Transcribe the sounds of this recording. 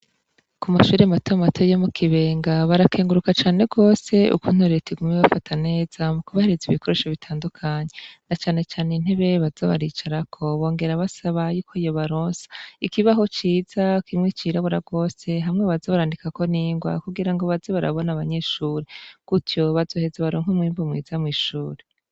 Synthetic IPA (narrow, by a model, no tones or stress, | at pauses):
kumaʃuɾematoamatʰojomukʰiβe̞ːŋɡaβaɾake̞ːŋɡuɾukat͡ʃaːne̞ɡo̞ːse̞ʔṵkun̥huɾetiɡumeβafatʰane̞ːz̥amukuβahe̞ɾe̞ziβikʰo̞ɾe̞ʃaβitʰaːndukʰaɲe̞nat͡ʃaːne̞t͡ʃaːnen̥e̞βe̞βaz̥oβaɾit͡ʃaɾakʰo̞βo̞ːŋɡe̞ɾaβasaβajuːkʰoijo̞βaɾoːnsḁikiβaɦo̞t͡ʃiːz̥akimŋit͡ʃiːɾaβuɾaɡo̞ːse̞ɦamŋeβazoβaɾaːndikako̞niːŋɡwa̰kuɡiɾaŋɡo̞βazoβaɾa̰βo̞naːβaɲe̞ʃuːɾeɡ̥utjo̞βazo̞ːhe̞zaβaɾoːŋ̥umwiːmbomwḭzamŋiːʃuːɾe